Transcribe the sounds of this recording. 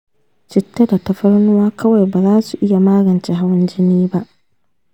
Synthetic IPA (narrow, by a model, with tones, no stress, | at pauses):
t͡ʃɪ˨tːɐ˦da˨tɐ˦ɸɐ˦ɾnʊ˦waː˦kʰɐ˦wa˨jba˨zaː˦su˨ʔɪ˦ja˨maː˦ɡɐ˨nt͡ʃɛ˦ɦa˦wɪ˦nd͡ʒɪ˦niː˦ba˦ʔ